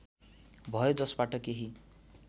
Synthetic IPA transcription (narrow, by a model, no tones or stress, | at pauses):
bʱʌjod͡zʌsbaʈʌkeɦi